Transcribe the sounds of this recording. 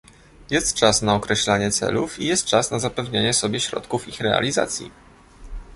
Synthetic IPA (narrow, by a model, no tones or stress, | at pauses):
jɛst̪t͡ʂasnaɔkɾɛɕlaɲɛt̪sɛ̰lufijɛst̪̚t͡ʂasnazapɛvɲeɲɛsɔbʲjɛɕɾɔ̰t̪kufixɾɛa̰lʲiza̰t̪sʲjḭ